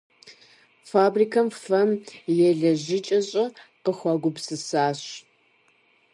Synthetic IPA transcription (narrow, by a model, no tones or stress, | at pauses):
faːbriːkʰɐmfɐmjɛɮɐʑɪt͡ʃʼɐɕʼɐqəxʷɑɡʷʊpsɨsaːɕ